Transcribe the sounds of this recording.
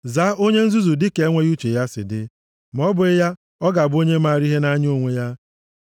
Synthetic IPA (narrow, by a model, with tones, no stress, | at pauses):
za˦o˦ɲe˦n̩˦zu˦zu˨dɪ˦ke˨˦ŋʷe˦ju˦t͡ʃe˨ja˦sɪ̰˨dɪ˦ | m˨ɔ˦bʊ˨ɪ˦ja˦ | ɔ˦ɡa˨bo˦ɲe˦ma˨ɾi˦ɦe˦na˦ɲo˦˨ŋʷe˦ja˦